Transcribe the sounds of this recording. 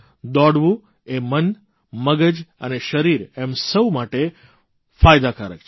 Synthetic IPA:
d̪ɔɽʋũ | emən | məɡəd͡ʒə̰neʃəɾiɾɛmsəwmaʈe | fajd̪aka̰ɾə̰k̚t͡ʃʰ

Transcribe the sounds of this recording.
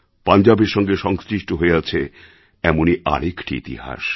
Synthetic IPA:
pand͡ʑabeɾʃɔŋɡeʃɔŋst͡ɕiʃʈoɦoeat͡ɕʰe | ɛmoniʔa̰ɾekʈḭḭt̪ḭɦa̰ʃ

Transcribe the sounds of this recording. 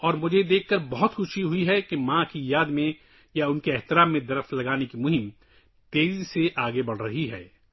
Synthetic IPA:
ɔːɾmʊd͡ʒʱed̪eːkʰːɐɾbɐɦʊt̪xʊʃiɦʊiɦɛkemãkijaːd̪mẽ | jaʊnkeɛɦt̪ɪɾaːmːẽd̪ɐɾəflɐɡaːnekimʊɦɪm | t̪eːɾiseʔaːɡebɐɽ̤ɾɐɦiɦɛː

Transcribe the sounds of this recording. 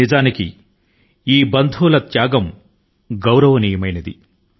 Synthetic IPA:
id͡ʒaːnikḭ | iːbɐnd̪ʱuːlɐt̪jaːɡɐm | ɡɐwɾɐʋɐnijɐmɐjnɐd̪ḭ

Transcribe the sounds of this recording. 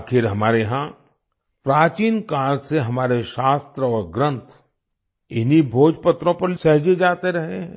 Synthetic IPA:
akʰɪɾɦɐmaːɾeɦã | pɾaːt͡ʃiːnkaːɾɡseɦɐmaːɾeʃaːst̪ɾəɔːɾɡɾə̃nt̪ʰ | ɪnibʱoːd͡ʒpət̪ɾõpɐɾsɛɦd͡ʒed͡ʒaːt̪eɾɐɦeɦɛ̃ː

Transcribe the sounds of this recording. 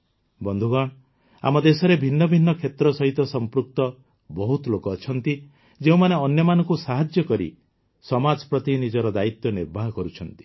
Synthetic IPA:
bɔnd̪ʱuɡaɽ̃ | a̰mɔd̪esɔɾebʱinːɔbʱinːɔkʰet̪ɾɔsɔɦit̪ɔsɔmpɾuk̚t̪ɔ | bɔɦut̪lokɔːt͡ʃʰɔnt̪i | d͡ʒeũmaneɔnjɔmanɔ̃ŋkusaɦad͡ʒjɔkɔɾḭ | sɔmad͡ʒpɾɔt̪inid͡ʒɔɾɔd̪ait̪jɔniɾbʱaɦɔkɔɾut͡ʃʰɔnt̪i̥

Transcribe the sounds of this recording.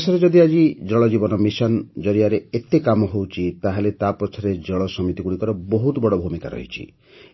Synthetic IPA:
sɔɾed͡ʒɔd̪iad͡ʒid͡ʒɔɭɔd͡ʒibɔnɔmisɔnd͡ʒɔɾiaɾeet̪ekamɔɦowt͡ʃʰit̪aɦelet̪apɔt͡ʃʰɔɾed͡ʒɔɭɔsɔmit̪iɡuɽikɔɾɔboɦut̪ɔbɔɽɔbʱumika̰ɾɔ̰ɦḭt͡ʃʰḭ

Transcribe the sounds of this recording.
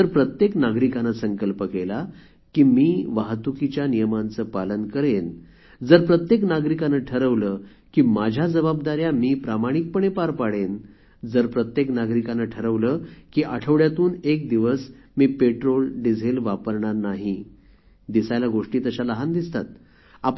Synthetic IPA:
d͡zəɾpɾət̪jeknaɡɾikanəsəŋkəlpəkela | kiːmiːʋaɦt̪ukit͡ɕjanijəmant͡səːpalənkəɾen | d͡zəɾpɾət̪jeknaɡɾikanəʈʰəɾəʋləː | kiːmad͡ʑʱjad͡zəbabd̪aɾjamiːpɾamaɽ̃ik̚pəɳepaɾpaɽen | d͡zəɾpɾət̪jeknaɡɾikanəʈʰəɾəʋləkiːʔaʈʰəʋɽjat̪uːnek̚d̪iʋəs | miːpeʈɾolɖid͡zʱelʋapəɾɳaɾnaɦi | d̪isajlaɡoʂʈiːt̪əɕaləɦand̪ist̪a̰t̪̚ | ap

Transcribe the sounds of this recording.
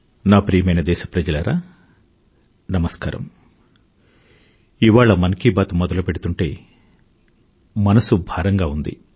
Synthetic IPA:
naːpɾijɐmɐjnɐd̪ɛːʃɐ̥pɾɐd͡ʒɐlɐɾaː | nɐmɐskaːɾɐ̰m | iʋaːɭɐmɐnɐkiːbaːt̪umɔd̪ɐlupe̞ɽut̪uɳʈe̞ː | mɐnɐsubʱaːɾɐŋɡaːund̪ḭ

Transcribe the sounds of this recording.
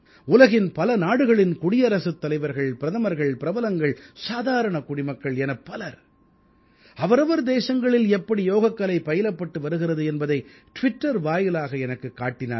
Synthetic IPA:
ʊlɐɣɪnpɐlɐnaːɽɯɣɐɭɪnkʊɽɪjɐɾɐsɯt̪ːɐlɐɪʋɐɾɣɐɭpɪɾɐðɐmɐɾɣɐɭpɪɾɐbɐlɐŋɡɐɭsaːðaːɾɐɳɐkʊɽɪmɐkːɐɭɛnɐpːɐlɐɾ | ɐʋɐɾɐʋɐɾd̪eːsɐŋɡɐɭɪlɛpːɐɽijoːɣɐkːɐlɐɪpːɐjɪlɐpːɐʈːɯʋɐɾɯɣɪrɐðɯɛnbɐðɐɪ | ʈʋɪʈːɐɾʋaːjɪlaːɣɐɛnɐkːɯkːaːʈːɪna̰ː

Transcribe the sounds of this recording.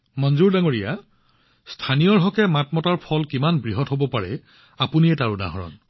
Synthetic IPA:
mɔnzuɹdaŋoɹija̰ | stʰanijɔɹɦɔkɛmatmɔtaɹpʰɔlkimanbɹiɦɔtɦobɔpaɹɛ̰ | apuniɛtaɹuda̰ɦɔɹɔ̰n

